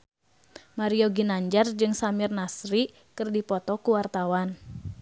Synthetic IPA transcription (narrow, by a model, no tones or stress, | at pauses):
maɾioɡinaɲd͡ʒard͡ʒɨŋsamirnasɾi | kɨrdipɔt̪ɔkuwart̪awan